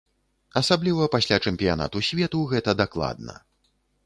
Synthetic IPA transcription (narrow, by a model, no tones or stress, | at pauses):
ɐsablʲivɐpasʲlʲat͡ʂɛmpʲijana̰t̪usʲvʲɛt̪uɣɛt̪ɐd̪aklˠa̰d̪nɐ̰